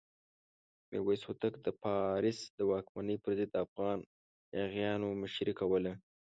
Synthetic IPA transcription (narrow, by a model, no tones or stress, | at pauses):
mḛwesut̪əkd̪əpɑɾɪsd̪əwɑkmanəjpəɾzɪd̪ːəafɣɑn | jaɣjɑnomʊʃɾikawəle